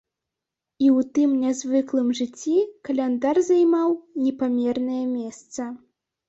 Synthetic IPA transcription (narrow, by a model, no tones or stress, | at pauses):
iwt̪ɨmnʲazvɨklˠɨmʐɨt͡sʲːikɐlʲɛnd̪arzajmawnʲɛpamʲɛrnɐjɐmʲɛst̪sɐ